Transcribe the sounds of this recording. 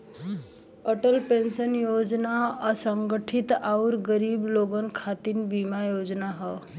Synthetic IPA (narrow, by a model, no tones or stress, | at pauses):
əʈəlpensənjod͡ʒnaasəŋɡəʈʰit̪auɾɡəɾiːbloɡənkʰat̪inbimajod͡ʒnaɦɔ